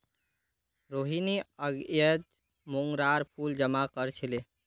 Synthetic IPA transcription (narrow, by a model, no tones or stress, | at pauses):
ɾoɦiniəɡjət | moŋɡɾaɾpʰuld͡ʒəmakəɾt͡ʃʰile